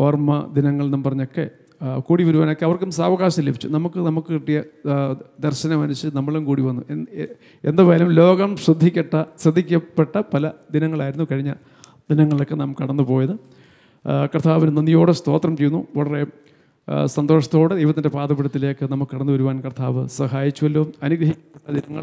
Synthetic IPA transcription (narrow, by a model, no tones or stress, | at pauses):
oːrmɐd̪inɐŋːɐɭnɐmpɐrɐɲːo̞kːḛ | kuːɽiʋɐɾuʋaːno̞kːeɐʋɐrkːumsaːʋɐɣaːɕɐnilːebʱit͡ɕːṵnɐmukːɨnɐmukːɨkiʈːijɐ | d̪ɐrɕɐnɐmɐnuɕɨnɐmːɐɭumkuːɽiʋɐnːue | end̪apeːlɐumlo̞ːɣɐmʂrɨd̪ʱːikʲːɐʈːɐsrɐd̪ʱːikʲːɐpːeʈːɐpɐlɐd̪inɐŋːɐɭaːjiɾunːukɐɻiɲːɐ̰ | d̪̥inɐŋːɐɭokːenɐmukɨɐɽɐnːɨpo̞ːjɐðɨ | krt̪ʰːaːʋinunɐnːijo̞ːɽest̪o̞ːt̪rɐmt͡ɕejːunːṵʋɐɭɐre | sɐnd̪o̞ːʂɐt̪ːo̞ːɽɨd̪ɐjʋɐt̪ːinde̞paːd̪ɐpiɽɐt̪ːileːkːɨnɐmukːɨkɐɽɐnːɨʋɐɾuʋaːnkrt̪ʰa̰ːʋɨsɐɦaːjit͡ɕːuʋɐlːoːɐnuɡɾɐɦikʲːɐpːeʈːɐd̪inɐŋːɐ̰ɭ